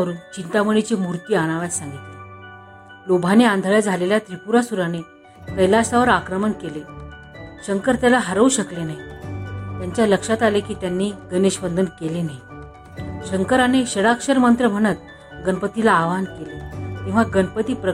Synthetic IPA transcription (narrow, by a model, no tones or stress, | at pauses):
əɾuːnt͡ɕint̪aməɽit͡ɕemuɾt̪iːaɽ̃aʋjat̪saŋɡit̪le | lobʱaneand̪ʱəɭjad͡zʱaleljat̪ɾipuɾasuɾane | təjlast̪aʋəɾakɾəmənkele | ɕəŋkəɾt̪jalaɦəɾəuɕəklenaɦi | t̪jaɲt͡ɕjaləkʂat̪alekiːt̪janːiːɡəneɕʋənd̪ʱənkelenaɦi | ɕəŋkəɾaneɕəɽakʂəɾmənt̪ɾəm̤əɽ̃ət̪̚ | ɡənpət̪ilaːʋankelek̪ĩw̃ʋaɡənpət̪iːpɾə